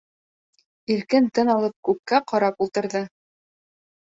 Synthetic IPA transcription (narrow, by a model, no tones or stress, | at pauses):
iɾkɘnt̪ɤnɑlˠɤp̚kʉp̚kæqɑɾɑpulˠt̪ɤ̆ɾðɤ